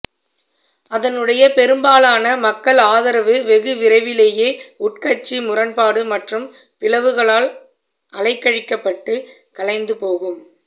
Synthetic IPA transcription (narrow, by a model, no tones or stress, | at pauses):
ɐðɐnɯɽɐjɐpɛɾɯmbaːlaːnɐmɐkːɐɭaːðɐɾɐʋɯʋɛɣɯʋɪɾɐɪʋɪleːjeːʊʈkɐt͡ʃːimʊrɐnpaːɽɯmɐʈrɯm | pɪlɐʋɯɣɐɭaːl | ʔɐlɐɪkːɐɻɪkːɐpːɐʈːɯ | kɐɭɐɪnd̪ɯpoːɣɯm